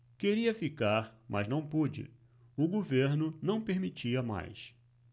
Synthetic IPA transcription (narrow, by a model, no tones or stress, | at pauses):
keɾiɐfikaɾmʔɐznɐ̃w̃pud͡ʒɪ̰ | ʊɡoveɾnʊnɐ̃w̃peɾmit͡ʃiɐma̰js